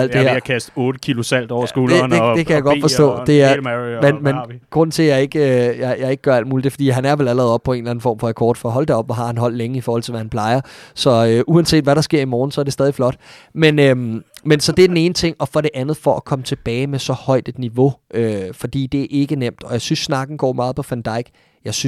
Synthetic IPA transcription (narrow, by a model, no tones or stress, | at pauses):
æl̰d̥eheɐ̰kʰæsd̥ɔːd̥əkʰilʊsæl̰d̥ɒʊ̰ɐsɡ̥oːled̥ed̥e̝kʰæjaɡɒ̽dfɒssɔ̰ːd̥e̝æɐmenmenɡ̥ʁɔ̽n̰n̩t͡sʰe̝jɑ̈ɪe̝ɡ̥øjɑɪjɑ̈ɪe̝ɡ̥əɡ̥ɶɐæl̰d̥muːlid̥e̝fɒd̥ḭːɦænæɐʋelæləʁɛːðˠɒ̽b̥̚pʰɒ̽e̝ːnlæn̩fɒ̰ːmfɒækʰɒːd̥fɒ̽ɦɒ̽l̰d̥eɒ̽b̥ɒɦɑ̈hænɦɒ̽l̰leŋəifɒːhɒl̰t͡sʰe̝ʋæhænpʰl̥ɑ̈ɪɐsɒ̽øʔuænse̝̰ːd̥ʋæɾɑ̈sɡ̥e̝ɐ̰imɒːn̩sɒ̽æɐɾ̥esɛːðˠiflɒ̽d̥menømensɒ̽d̥e̝æɐd̥ene̝ːnət͡sʰe̝ŋ̰ɒ̽fɒ̽ɾe̝ʔænð̞̩ˠfɒ̽ʔækʰɒ̽mət͡sʰe̝b̥ɛːɪmesɒ̽hɒ̽ɪ̰d̥e̝d̥niʋo̝øfɒ̽d̥ḭːd̥e̝æɐʔe̝ɡ̥ənem̰d̥ɒ̽jɑ̈ɪsynsːnɑ̈ɡ̥n̩ɡ̥ɒ̰ːmɑ̈ːð̞̩ˠpʰɒ̽fænd̥ɑ̈ɪ̰ɡ̥ | jɑ̈ɪs